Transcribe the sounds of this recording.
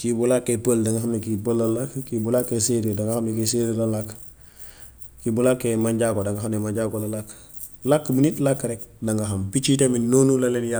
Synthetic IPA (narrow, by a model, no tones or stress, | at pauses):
kibulakːepəldɐŋɡaxamnekipəlːɐlakkibulakːeseɾidɐŋɡahamnekiseɾilalak | kibulakːemaɲɟakodaŋɡaxamnemaɲɟaːkolalak | lakːbunitlakːɾɛk̚nɐŋɡaɦambit͡ʃiteminonulɐlenja